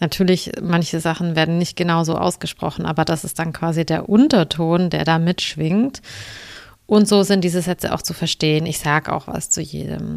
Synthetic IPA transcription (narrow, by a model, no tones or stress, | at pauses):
natʰyːɐlɪçmançəzaχn̩veːɐdn̩nɪçt̚ɡ̥ənaʊzoːʔa̰ʊsɡ̥əʃpʁ̥ɔ̰χn̩ʔaːbɐdasɪst̚d̥ankv̥aːzideːɐʔʊntɐtʰoːndḛːɐɾaːmɪtʃv̥ɪŋt | ʔʊntz̥oːzɪnt̚d̥iːzəzɛt͡sə̰ʔaʊxt͡sufɛɐʃteːənɪçz̥aːɡəʔa̰ʊxva̰st͡sujḛːdə̰m